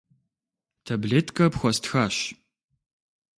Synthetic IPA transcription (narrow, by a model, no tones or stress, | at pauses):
tʰɐbɮeːtʰkʰɐpxʷɔstʰxaːɕ